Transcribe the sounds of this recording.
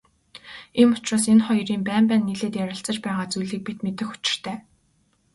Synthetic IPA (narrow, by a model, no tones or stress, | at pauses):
enʊt͡ɕraːs̬enχɔjriːmpæːmpæːnːiɮeːt̪jæɾʲɪ̆ɬt͡sə̆t͡ɕpæːʁaːt͡sujɮiːk̚pit̪met̪ɘ̆xʊ̥t͡ɕɪ̥̆r̥t̪ʰæː